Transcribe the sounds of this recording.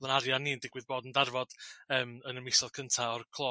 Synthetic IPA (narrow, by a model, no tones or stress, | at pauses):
lˠənaɾjaniːəndɪɡwɪðboːdəndarvɔd̥əːmənəmɪsɔðkʰəntʰaɔrkʰlˠoː